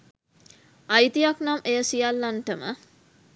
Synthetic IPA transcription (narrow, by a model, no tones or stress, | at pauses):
ʔɐjt̪ijɐknamʔejəsijɐlːanʈəmə̰